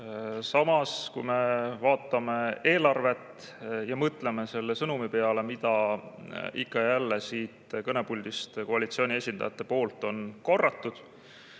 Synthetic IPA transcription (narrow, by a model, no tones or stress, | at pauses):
sɑmɑskujme̞vɑːt̪ːˑɑme̞e̞ːlɑrve̞t̪ | jɑmɤt̪ːˑle̞me̞se̞lːesɤnumipe̞ɑle̞mit̪ɑ | ikːɑjælːesiːt̪kɤne̞pulʲd̪̥ist̪ko̞ɑlit̪sio̞ːnʲie̞sʲind̪ɑjɑt̪ːˑe̞po̞ːlt̪ːˑo̞nko̞rːɑt̪ːud̪̥